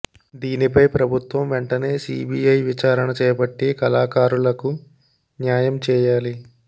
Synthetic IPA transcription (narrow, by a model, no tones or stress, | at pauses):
d̪iːnipɐjpɾɐbʱut̪ʋɐmʋeɳʈɐne̞ːsḭːbʱiːɐjʋit͡ʃaːɾɐɳɐt͡ʃɛːɐpɐʈːikɐlaːkaːɾulɐku | njaːjɐmt͡ʃɛːjaːli